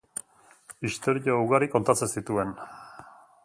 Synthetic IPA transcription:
ist̪o̞ɾiouɣaɾiko̞nt̪at͡se̞nsit̪ue̞n

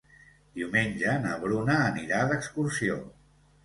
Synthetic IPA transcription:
d̪̥iumenʲd͡ʒənəβɾunəːniɾaðəkskursio̰

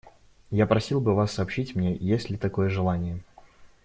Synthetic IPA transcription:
japɾɐsʲilˠbɨvasːɐːpɕːitʲmnʲe̞jesʲlʲɪt̪ɐko̞jəʐɨlˠanʲɪjə

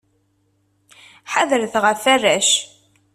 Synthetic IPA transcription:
ħaðəɾθʁəfærːæʃ

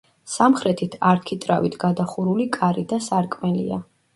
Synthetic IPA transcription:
samχɾɛt̪ʰit̪ʰaɾkʰit̪ʼɾavit̪ʰɡad̪aχuɾulikʼaɾid̪asaɾkʼmɛlḭa̰

